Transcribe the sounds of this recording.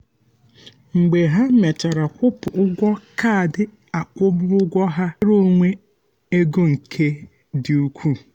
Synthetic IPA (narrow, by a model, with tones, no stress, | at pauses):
ŋ͡m̩˨ɡ͡be˨ɦa˦me˨ta˨ɾa˨kʷʊ˦pʊ˨ʔʊ˦ɡʷɔ˦ka˦˨dɪ˦ | a˨kʷʊ˦bʊ˦ʊ˦ɡʷɔ˦ɦa˦ɾo˦ŋʷe˦ | e˦ɡo˦ŋ̩˨kʰe˦ | dɪ˨u˦kʷʰu˦